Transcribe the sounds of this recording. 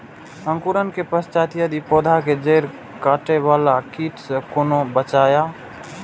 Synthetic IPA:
ə̃ŋkuɾənkepəst͡ʃaːt̪ijad̪ipoːd̪ʱaked͡ʒeːɾ | kaːʈeʋaːlakiːʈsekoːnobət͡ʃaːjaː

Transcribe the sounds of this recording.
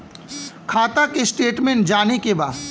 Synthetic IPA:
kʰaːt̪akesʈeːʈmẽɳʈ̚d͡ʒaːnekebaːd̪

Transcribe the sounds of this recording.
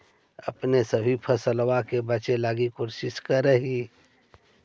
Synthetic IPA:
ə̰pnesəbʱipʰəsəlwakebət͡ʃelaːɡikoɾsɪʃkəɾəɦi

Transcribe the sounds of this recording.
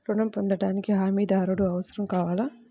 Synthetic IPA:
ɾuɳɐmpond̪ɐɽaːnikiɦaːmiːd̪aːɾuɽuɐʋɐsɐɾɐmkaːʋaːlɐ

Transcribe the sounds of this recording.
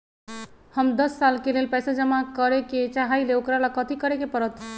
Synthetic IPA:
həmd̪əsːalkelelpɛjsad͡ʒəmakəɾeket͡ʃaɦajleokɾalakət̪ʰikəɾekepəɾət̪

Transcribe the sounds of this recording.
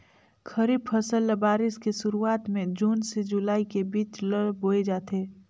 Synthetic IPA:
kʰəɾibpʰəsəlːbaːɾɪskesʊɾuaːt̪mẽd͡ʒuːnsed͡ʒulaːikebiːt͡ʃləɽboːed͡ʒaːt̪eː

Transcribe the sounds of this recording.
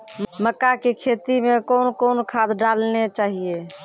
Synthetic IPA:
məkakekʰet̪imẽkoːnkoːnkʰad̪ɖalnet͡ʃaːɦie

